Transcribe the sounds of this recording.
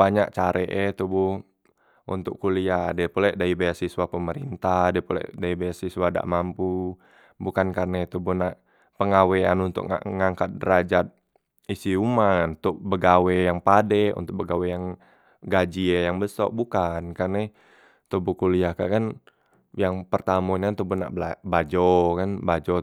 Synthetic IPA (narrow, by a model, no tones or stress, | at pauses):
baɲaʔt͡ʃaɾʔɛʔɛt̪ubuh | ʔṵnt̪ʊkkuliadiapolɛʔdaibajasiswapəməɾḭnt̪adiəpolɛ̰ʔdaibajasiswada̰ʔmampu | bukankarnet̪ubuhna | pəŋaweanunt̪ʊ̰kŋa̰ŋaŋkat̪̚ɾad͡ʒat̪̚ | isiumannt̪ʊk̚bəɡawejaŋpadɛṵnt̪ʊk̚bəɡawejaŋ | ɡad͡ʒiajaŋbəsɔ̰k̚bukankarnɛ | t̪obukuliaka̰ʔkan | jaŋpərt̪amuɲt̪ubuna̰ʔbabad͡ʒɔkanbad͡ʒɔ